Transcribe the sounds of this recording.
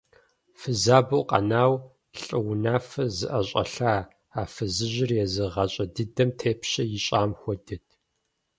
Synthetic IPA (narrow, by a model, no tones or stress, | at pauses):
fɨzaːbɐwqʼɐ̰naːw | ɬʼɨwʊnaːfɐzɨʔɐɕʼɐ̰ɬaː | aːfɨzɨʑɪrjɛzɨʁɐɕʼɐdɨdɐmtʰeːpʰɕɐjɪɕʼaːmxʷɔdɨtʰ